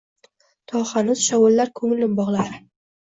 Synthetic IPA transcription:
t̪ʰɒχanʊz̥ʃawʊlːaɾkʰɵŋɪlːɪbɒʁlˠaɾɪ

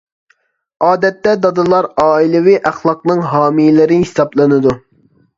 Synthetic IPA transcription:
ɑːd̪ɛt̪ːɛd̪ɑd̪ɨlˠɑɾɑːilˠɪwiʔæχlˠɑqnɨŋɦɑːmilɪɾɪhisɑblˠɨnɨd̪u

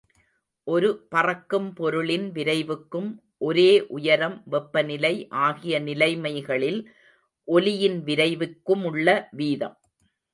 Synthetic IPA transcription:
ʔɔɾɯpɐrɐkːɯmpɔɾɯɭɪnʋɪɾɐɪʋɯkːɯm | ʔɔɾeːʔʊjɐɾɐmʋɛpːɐnɪlɐɪʔaːɣɪjɐnɪlɐɪmɐɪɣɐɭɪl | ʔɔlɪjɪnʋɪɾɐɪʋɯkːɯmʊɭːɐʋiːðɐ̰m

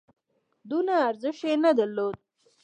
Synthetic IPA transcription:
d̪unaːɾzɪʃenad̪əɾlod̪̚

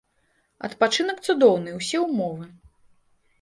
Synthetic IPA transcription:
ɐ̰t̪pat͡ʂɨnɐk̚t̪sud̪ɔwnɨjwsʲɛwmɔvɨ

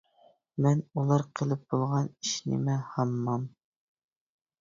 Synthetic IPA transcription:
mɛnulˠɑɾqʰə̆lˠɘp̚b̥olˠʁɑniʃnɪ̰mɛhɑmːɑm

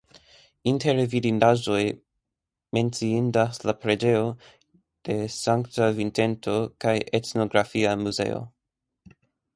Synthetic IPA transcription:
inte̞ɾvidindaʒo̞j | me̞nt͡siindaslapɾe̞d͡ʒe̞o̞ | d̥e̞saŋktavinte̞ntʰo̞kajʔetno̞ɡɾafiamuze̞̰o̰

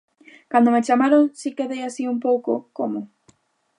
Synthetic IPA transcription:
kand̪omet͡ʃamaɾoŋsikeðejasiumpowko̰komʊ

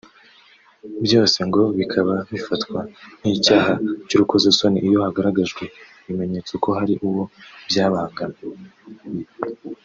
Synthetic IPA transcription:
bjo̞ːse̞ŋɡo̞βikʰaβaβifatkwan̥icaːɦacuɾukozaso̞niʔijo̞haɡaɾaɡaʒɡwe̞ | βime̞ɲe̞t͡soko̞ɦaɾiʔuwo̞bjaːβaːŋɡane

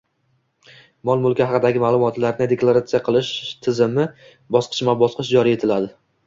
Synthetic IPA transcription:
mɒlˠmʊlˠkʲahɑqɨd̪aɡʲɪmaːlˠʊmɒt̪laɾnɪd̪eklˠaɾat̪sijaqʰɨlˠɪʃt̪ʰɪzɪmɪ | bɒsqʰɨ̥t͡ʃmabɒsqʰɨʃd͡ʒɒɾie̞t̪ʰɪlad̪ɪ

